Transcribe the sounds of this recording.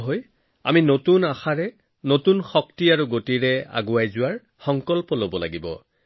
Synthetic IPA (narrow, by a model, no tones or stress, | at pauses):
ɦoj | a̰minotunaxaɹɛ | notunxɔktiaɹuɡotiɹɛa̰ɡʊajzʊwaɹ | xɔŋkɔlpɔlobɔla̰ɡibɔ̰